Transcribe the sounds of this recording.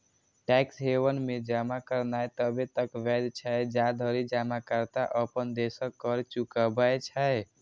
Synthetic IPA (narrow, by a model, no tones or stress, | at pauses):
ʈɛksɦewənmed͡ʒamakəɾnajt̪əbet̪əkʋɛd̪t͡ʃʰɛjd͡ʒad̪ʱəɾid͡ʒamakəɾt̪aʔəpənd̪esəkːəɾt͡ʃukəbəjt͡ʃʰəe